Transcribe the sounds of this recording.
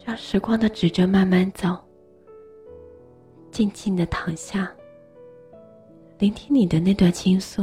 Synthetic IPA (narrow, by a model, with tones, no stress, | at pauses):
ɑ˥˩ŋʂɻ̩˧˥kwɑ˥ŋd̪ə˨ʈ͡ʂɻ̩˨˩ʈ͡ʂə˥ma˥˧nma˥˩nt͡sɑ˨˩ʊ | t͡ɕɛ˥˧nt͡ɕi˥˩nd̪ə˩t̪ʰɑ˧˥ŋɕja˥˩ | li˧˥ŋt̪ʰi˥nni˨˩d̪ə˦ne˥˧t̪wa˥˩nt͡ɕʰi˥ŋsu˥˩